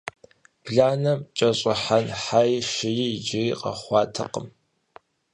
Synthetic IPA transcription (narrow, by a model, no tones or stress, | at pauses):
b̥ɮaːnɐt͡ʃʼɐɕʼɪħanħajʃɪjɪd͡ʒɪqɐ̰χʷɑːtʰɐ̰qə̰m